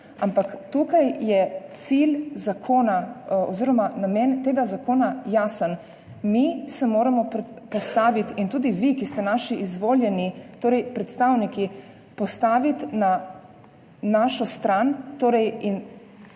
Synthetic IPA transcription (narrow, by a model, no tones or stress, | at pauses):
ampakt̪ukajjɛt̪silzakʰoːnaɔ̰ziːɾɔmanamɛnt̪eːɡazakoːnajaːsən | misɛmoːɾamɔppɔst̪aːʋit̪int̪uːd̪iʋikist̪ɛnaːʃiʔizʋoːljɛnit̪oːɾɛjpɾɛt̪st̪awniki | pɔst̪aːʋit̪na | naʃɔst̪ɾant̪oːɾɛjin